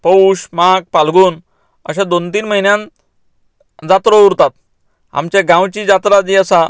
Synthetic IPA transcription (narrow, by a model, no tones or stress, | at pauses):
pəuɕmak̚palɡuːn | ə̰ɕãd̪ont̪iːnməɦinjãn | d͡zat̪ɾouɾt̪at̪̚ | a̰mt͡ɕaɡãwt͡ɕid͡ʑat̪ɾad͡ʑiəsa